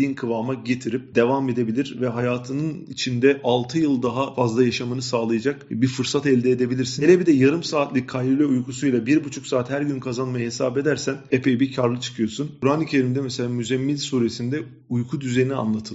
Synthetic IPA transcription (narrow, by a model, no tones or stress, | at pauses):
ijinkʰɯvamaɟe̞t̪ʰiɾip̚d̪e̞vame̞d̪e̞bilʲiɾvɛɦajaːt̪ʰɯnɯnit͡ʃʰind̪ɛʔalˠt̪ʰɯjɯlˠd̪aɦafazlˠajaʃamɯnɯsaːlˠɯjad͡ʒakbifɯɾsat̪ɛlʲd̪ɛed̪e̞bilʲiɾsinelʲebid̪ɛjaɾɯmsaːt̪lʲickʰːajilʲɛujkʰusujlˠabiɾbut͡ʃʰuksaːt̪hæɾɟynkʰazanmajahesaːbe̞d̪æɾsænepʰejibicʰaɾlˠɯt͡ʃʰɯ̥kʰɯjo̞ɾsunkʰuɾaːnicʰe̞ɾimd̪ɛmɛse̞lʲaːmyzɛmːilʲsuːɾesind̪ɛ | ujkʰud̪yzejinia̰nlˠat̪ʰɯlˠ